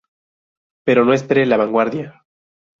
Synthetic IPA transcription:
pe̞ɾo̞noespeɾelaβaŋɡwaɾðja

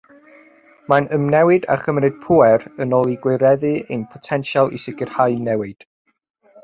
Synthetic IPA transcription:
manəmnɛwɨda̰χəmɾɨd̥̚pʰuɛrənɔlˠiɡwɪɾɛðɨenpʰɔ̥tʰɛnʃalˠḭsɪɡɪrhajnɛwɨd̥

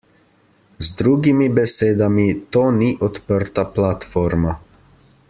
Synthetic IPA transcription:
zd̪ɾuːɡimibɛseːd̪amit̪oːniʔɔt̪pəɾt̪aplat̪fɔːɾma

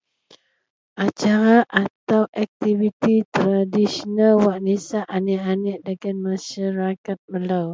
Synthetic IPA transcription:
ʔat͡ʃaɾaʔat̪awʔak̚t̪ivit̪it̪ɾadisɔnalwaʔnisaʔanɛʔanɛʔdəɡanmasaɾakat̪̚məlaw

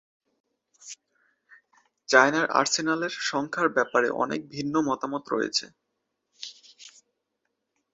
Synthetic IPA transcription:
t͡ɕaenaɾʔa̰ɾsenaleɾʃɔŋkʰaɾbɛpaɾḛʔɔ̰nḛk̚bʱinːomɔt̪amot̪ɾo̰jḛt͡ɕʰḛ

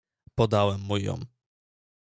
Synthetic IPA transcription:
pɔd̪awɛmːujɔ̰m

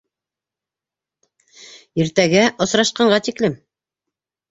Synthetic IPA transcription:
iɾt̪æɡæʔŏsɾɑʃqɑɴʁɑt̪iklɘm

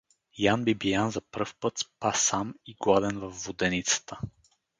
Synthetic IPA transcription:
janbibijanzɐpɾɤfpɤt̪spasamiɡlad̪ɛnvɐfːod̪ɛnit̪sə̥t̪ə

